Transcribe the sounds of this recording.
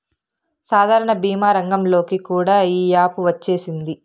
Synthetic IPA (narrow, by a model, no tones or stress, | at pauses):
saːd̪ʱaːɾɐɳɐbiːmaːɾɐŋɡɐmlo̞ːkikuːɽaːiːjaːpuʋɐt͡ʃːe̞ːsind̪i